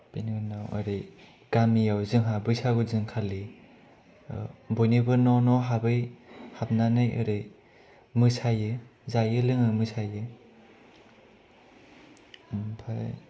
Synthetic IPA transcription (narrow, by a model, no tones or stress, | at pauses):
pennawa̰ɾɯj | ɡ̥amijawzɯŋɦabɯjsaɡɯzɯŋkʰali | bɔjnibɯnɔnɔɦabɯjhap̚nanɯjʔɯ̰ɾɯj | mɯsajɯzajɯlɯŋɯmɯsajɯ | mpʰa